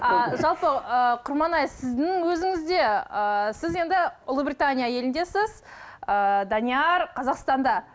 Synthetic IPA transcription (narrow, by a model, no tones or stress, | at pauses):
ɑʒɑlˠpəəqʰʊɾmɑnɑjsɪzd̪ɪŋwɵzɪŋɪzd̪e̞əsɪze̞nd̪ɪʊlˠəbɾʲit̪anʲijaje̞lɪnd̪e̞sɪzəd̪anʲiɑɾqʰɑzɑqst̪ɑnd̪ɑ